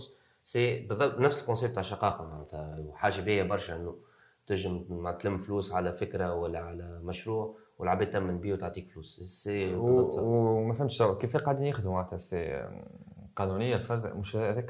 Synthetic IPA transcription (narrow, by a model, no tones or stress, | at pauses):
s | sebɨðˤːɑbt̪næfsəlkõnsɛb̚t̪aʕʃɑqɑːqɑmaʕnæt̪hæħaːʒabijæbɑɾˤʃaʔɪnːu | t̪ɪʒəmt̪lɪmːfluːsʕalæfɪkɾawælːæʕalæmæʃɾuːʕ | wəlʕabiːd̪̚t̪æmːɪnbiːwt̪əʕt̪ˤiːkfluːsse | mæfhæmʃsawkifiqɑʕd̪iːnjɪxd̪mmaʕt̪hæse | qɑnunɪjːalfæzmʊʃʔðɪk